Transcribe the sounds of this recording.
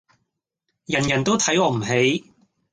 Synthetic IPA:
jɐ˨˩njɐ˨˩nt̪o˥wt̪ʰɐ˨˥jɔː˨˧m̩˨˩ɦe˨˥j

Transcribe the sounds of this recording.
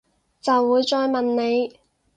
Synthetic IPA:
t͡sɐ˨wːuː˨˧jt͡ʃɔː˧jmɐ˨nne˨˧j

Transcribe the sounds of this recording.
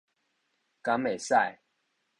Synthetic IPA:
ka˨˦me˨sa˥˨j

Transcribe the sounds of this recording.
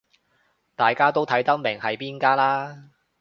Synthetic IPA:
t̪aː˨jkaː˥t̪o˥wt̪ʰɐ˨˥jt̪ɐ˥k̚mɪ˨˩ŋhɐ˨jpiː˥nkaː˥laː˥

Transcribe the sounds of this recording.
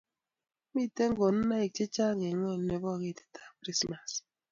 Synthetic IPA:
mi˦˨te˦ŋ̩˦ɡo˨n̩˦na˦i˨t͡ʃe˦t͡ʃa˦ŋe˨ŋʷɔ˦˨n̩˦e˨bɔ˦˨ɣe˦˨te̥˦tʰḁ˦kɾi˦sma˨s

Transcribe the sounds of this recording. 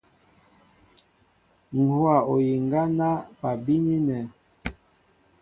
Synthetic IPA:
ŋ̩˨hwa˨o˨ji˨ŋɡa˦na˦pa˨bi˦ni˦nɛ˨

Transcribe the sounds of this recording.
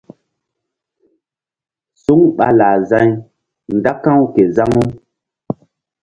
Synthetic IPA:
su˦ŋɓa˨laː˨za˦ɲ | nda˦kã˦wke˨za˦ŋu˦m

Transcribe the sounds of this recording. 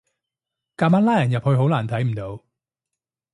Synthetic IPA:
kaː˧maː˨˥nlaː˥jɐ˨˩njɐ˨p̚hɵ˧ɥɦo˨˥wlaː˨˩nt̪ʰɐ˨˥jm̩˨˩t̪o˨˧w

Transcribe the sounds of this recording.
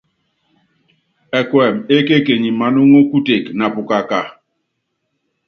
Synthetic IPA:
ɛ˨kwɛ˨me˦ke˦ke˨ɲi˨ma˨nu˦ŋo˦ku˦te˨kna˨pu˨ka˨ka˨

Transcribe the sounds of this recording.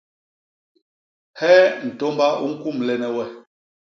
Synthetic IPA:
hɛ˦n̩˨to˦mba˦ʔu˦ŋ̩˦ku˦˨mlɛ˨nɛ˦wɛ˦

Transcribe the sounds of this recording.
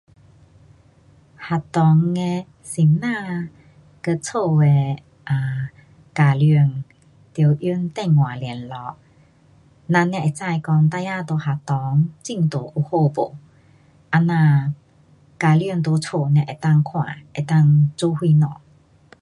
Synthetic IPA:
ha˨t̪ɔ˨˦ŋe˧ | si˨˩mnã˥˧˨ | kə˧t͡sʰo˥˧e˧ | ʔa˨˩ | ka˨˩ly˧ŋ | t̪jo˧˩wʔju˧˦nt̪ɛ˥˧˨ŋːwã˨˩ljɛ˨˩nlɔ˧˦k̚ | nã˧nɛ̃˧ʔe˨˩t͡sa˥˧jkɔ˧ŋt̪a˧ja˧t̪o˧ha˨t̪ɔ˨˧˦ŋt͡ɕi˥˧˨ŋt̪o˨˩ʔu˧ho˥˧bo˨˩ | ʔa˧nã˧ | ka˨˩lji˧˨ŋt̪o˧˦t͡sʰo˧˩nɛ̃˧ʔe˨˩t̪a˥˨ŋkʰw̃ã̰˨ʔe˨˩t̪a˥˧˨ŋt͡su˧˦hwi˧nɔ˨˩˦

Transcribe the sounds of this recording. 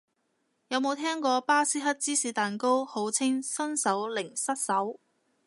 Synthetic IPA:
jɐ˨˧wmo˨˧wt̪ʰɛː˥ŋkɔː˧paː˥siː˥ɦɐ˥t̚t͡siː˥siː˨˧t̪aː˨˩nko˥who˨˧˥wt͡sʰɪ˥ŋsɐ˥nsɐ˨˥wlɪ˨˩ŋsɐ˥t̚sɐ˨˥w

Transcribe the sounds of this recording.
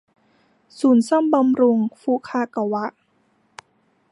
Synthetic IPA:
suː˩˦nsɔ˥˩˨mba˧mɾu˧ŋfuː˧˩kʰaː˧˥ka˨˧˩wa˦˥ʔ

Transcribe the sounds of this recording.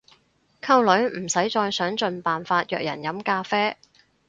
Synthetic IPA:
kʰɐ˧wlɵ˨˥ɥm̩˨˩sɐ˨˥jt͡ʃɔː˧jsœː˨˥ŋt͡ʃɵ˧npaː˨nfaː˧t̚jœː˧k̚jɐ̰˨˩njɐ˨˥mkaː˧fɛː˥

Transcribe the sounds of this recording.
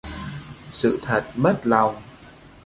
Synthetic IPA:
sɨ̰˧˨t̪ʰə˨˩t̚mə˦˥t̚la˨˩wŋ͡m

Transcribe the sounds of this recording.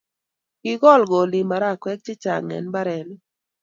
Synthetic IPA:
ɡ̥ɪ˦ɡɔ˦˨lɡɔ˨lɪ˨ma˨ɾa˦˨kwɛ˦k̚t͡ʃɪ˦t͡ʃa̰˨ŋɛ̰˨nba˦ɾɛ˨n˦

